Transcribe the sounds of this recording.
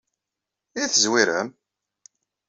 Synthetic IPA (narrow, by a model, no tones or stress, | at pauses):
iθəzwiɾæ̰m